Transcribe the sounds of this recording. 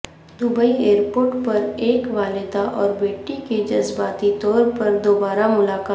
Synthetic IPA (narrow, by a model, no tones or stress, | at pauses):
d̪ʊbəieːɾpoːɾʈpɐɾeːkʋaːlɪd̪aʔɔːɾbeːʈiked͡ʒɐzbaːt̪it̪ɔːɾpɐɾd̪oːbaːɾamʊlaːkaː